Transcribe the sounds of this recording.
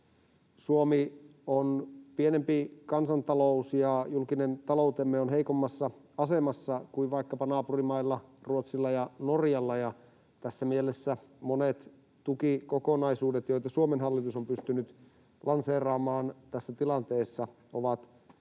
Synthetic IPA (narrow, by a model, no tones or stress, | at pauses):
suomionpienempikɑnsɑnt̪ɑlousjɑjulkinent̪ɑlout̪emːeonɦeikomːɑsːɑ | ɑsemɑsːɑkuiʋʋɑikːɑpɑnɑːpurimɑilːɑruot̪silːɑjɑnorjɑlːɑjɑ | t̪æsːæmielesːæmonet̪ | t̪ukikokonɑisuːdet̪jo̞it̪ɑsuomenɦɑlːit̪usompyst̪ynyt̪ | lɑnseːrɑːmɑːnt̪æsːæt̪ilɑnt̪eːsːɑ | oʋɑt̪